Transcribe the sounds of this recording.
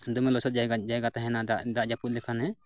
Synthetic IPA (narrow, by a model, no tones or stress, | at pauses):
d̪umɛlɔsɔt̪̚d͡ʒajɡad͡ʒajɡat̪aɦɛnaad̪aʔd͡ʒaput̪̚lɛkʰanɦɛ